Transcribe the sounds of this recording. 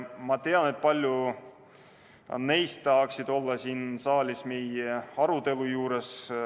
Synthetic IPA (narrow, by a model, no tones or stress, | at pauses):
mɑt̪e̞ɑne̞t̪̚ˑpɑlʲju | ne̞jst̪t̪ːɑɦɑksid̪̥o̞lːɑsiːnsɑːlʲismejeɑɾut̪e̞lujuːɾe̞s